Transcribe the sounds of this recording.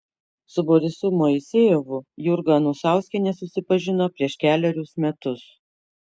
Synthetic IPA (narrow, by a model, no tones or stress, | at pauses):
sʊbɔɾʲɪsuːmɔɪsʲeːjoʋʊjʊɾɡɐnusɑˑʊsʲkʲɛnʲɛsʊsʲɪpɐʒʲɪnoːpʲɾʲiɛʃʲkʲæːlʲɛɾʲʊsmʲɛt̪ʊs